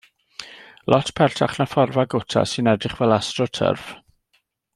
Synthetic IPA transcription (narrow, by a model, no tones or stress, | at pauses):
lʔɔtʰpʰɛrtʰaχnafɔrvaɡʊtʰa̰sɨnɛdrɪχvɛlˠastrɔtʰə̰rv̥